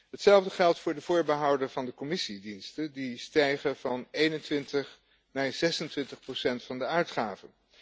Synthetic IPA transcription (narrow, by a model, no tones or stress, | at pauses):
ɦətsɛlˠvdəχɛlˠtfʊːɹdəv̥ʊːɹbəɦɑwdəɹvɑndəkɔmɪsidinstədistɛjχəv̥ɑnejnəntʋɪntəχ | naːɹz̥ɛsəntʋɪntəχprosɛntfɑndəœɥtχaːvən